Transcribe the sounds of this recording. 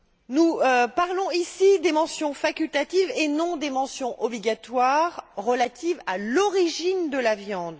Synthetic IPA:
nupaʁlɔ̃isid̪emɑ̃sjɔ̃fakʲylt̪at̪ivenɔ̃d̪emɑ̃sjɔ̃ʔɔbliɡʲat̪waʁːəlat̪ivalɔʁiʒind̪əlavjɑ̃d̪

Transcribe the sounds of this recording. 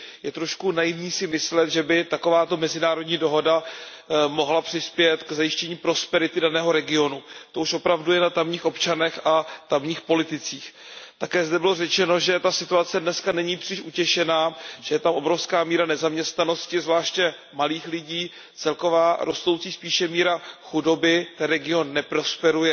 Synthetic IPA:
jɛt̪ɾoʃkunajɪvɲiːsɪmɪslɛt̪ʒɛbɪt̪ako̞vaːt̪o̞mɛzɪnaːɾodɲiːdo̞ɦo̞da | mo̞ɦlapr̥ɪspjɛt̪kzajɪʃcɛɲiːpɾo̞spɛɾɪt̪ɪdanɛːɦo̞ɾɛɡɪo̞nut̪o̞uʃʔo̞pɾavdujɛnat̪amɲiːxʔo̞pt͡ʃanɛxat̪amɲiːxpo̞lɪt̪ɪt͡siːx | t̪akɛːzdɛbɪlo̞rɛt͡ʃɛno̞ʒɛt̪asɪt̪uat͡sɛdnɛskanɛɲiːpr̥ɪʃʔucɛʃɛnaːʒ̥ɛjɛt̪amʔo̞bɾo̞fskaːmiːɾanɛzamɲɛst̪nano̞scɪzvlaːʃcɛ | maliːxlɪɟiː | t͡sɛlko̞vaːɾʔo̞st̪o̞wt͡siːspiːʃɛmiːɾaxudo̞bɪt̪ɛnɾɛɡɪo̞nːɛpɾo̞spɛɾujɛ

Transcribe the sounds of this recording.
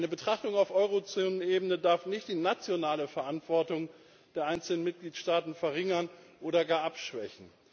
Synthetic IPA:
ʔaɪnəbətʁ̥aχtʊŋaʊfʔɔʏʁ̞ot͡soːnənʔeːbənədaɐfnɪçt̚d̥iːnat͡sjonaːləfɛɐʔantv̥ɔɐtʊŋ | d̥eːɐʔaɪnt͡sl̩nənmɪt̚ɡ̥liːtʃtaːtn̩fɛɐʁɪŋɐnʔoːɾɐɡaːɐʔapʃv̥ɛ̰çn̩

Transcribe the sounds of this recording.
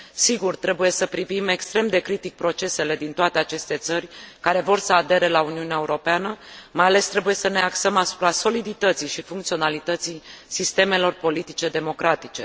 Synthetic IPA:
siɡurt̪ɾe̞buje̞səpɾivime̞kst̪ɾe̞md̪e̞kɾit̪ik̚pɾo̞t͡ʃe̞se̞le̞d̪int̪oat̪e̞at͡ʃe̞st̪e̞t̪sərʲkaɾe̞vo̞rsəad̪e̞ɾe̞launiuneaeuɾo̞peanəmajale̞st̪ɾe̞buje̞səne̞aksəmasu̥pɾaso̞lid̪it̪ət̪sijʃifuŋkt̪sio̞nalit̪ət̪sijsist̪e̞me̞lo̞rpo̞lit̪it͡ʃe̞d̪e̞mo̞kɾat̪it͡ʃe̞

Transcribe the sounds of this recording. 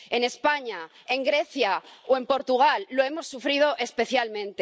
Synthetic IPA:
e̞ne̞spaɲa | e̞ŋɡɾe̞θjaoe̞mpo̞ɾt̪uɣ̞alːoe̞mo̞sːufɾið̞o̞ʔe̞spe̞θjalmẽ̞nt̪e

